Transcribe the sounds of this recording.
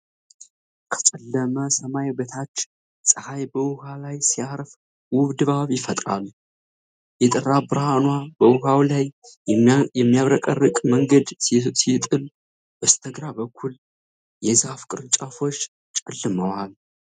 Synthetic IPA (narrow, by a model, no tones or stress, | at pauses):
kʰə̥t͡ʃʼɛlːəməsəmajbət̪ʰat͡ʃː | sʼɨhajbəwʊhalajsiaɾf | wʊβd̪ɨβaβjɪfət̪ʼɾa̰l | jɛt̪ʼɨrabɨɾhanwabəwʊhawlaj | jɛmːijaβɾəkʼərːɨkʼməŋɡəd̪sit̪ʼɨl | bəst̪ʰəɡɾabəkʰːul | jɛzafkʼɨɾɨt͡ʃʼafo̞t͡ʃː | t͡ʃʼɛlːɨməwal